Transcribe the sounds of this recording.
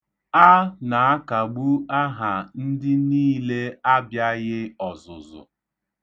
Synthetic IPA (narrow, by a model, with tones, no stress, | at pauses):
a˦na˨a˦ka˨ɡ͡bu˦a˦ɦa˨n̩˦dɪ˦niː˦le˦a˦bja˦ɣɪ˦ɔ˨zʊ̰˨zʊ̰˨